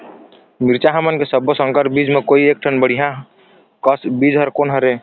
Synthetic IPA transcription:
miɾt͡ʃaɦəmənkesəbːosə̃ŋkəɾʈbid͡ʒmẽkoːieːk̚ʈʰənbəɽ̤iɦã | kəsbid͡ʒɦəɾkoːnɦəɾe

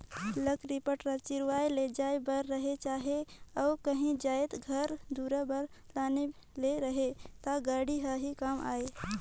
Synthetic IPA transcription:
ləkɾipəʈɾat͡ʃɪɾwaːeled͡ʒaːebəɾːəɦet͡ʃaːɦeɔːkəɦĩd͡ʒaːet̪ɡʱəɾd̪uɾabəɾlaːne | leɾəɦet̪aɡaːɽiɦaɦikama̰ːe

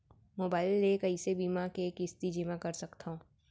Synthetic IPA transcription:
moːbaːɪlːekɐisebiːmakeːkɪst̪id͡ʒɪmãkɐɾsɐkt̪ʰaõː

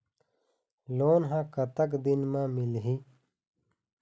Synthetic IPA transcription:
loːnɦãkɐt̪əkd̪inmãːmilɦi

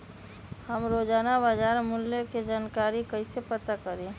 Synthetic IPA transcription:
həmɾoːd͡ʒaːnabad͡ʒaːɾmʊlːeked͡ʒaːnkaːɾikəisepət̪akəɾẽː

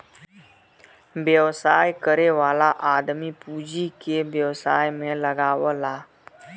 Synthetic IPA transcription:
bjəʋsaːjkəɾeʋaːlaʔaːd̪mipuːd͡ʒikebjəʋsaːjmẽləɡaːʋəlaː

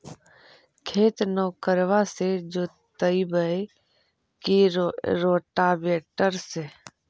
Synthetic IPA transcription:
kʰeːt̪nɔːkəɾʋased͡ʒoː | t̪əibəe | kiɾoːʈabeːʈəɾse

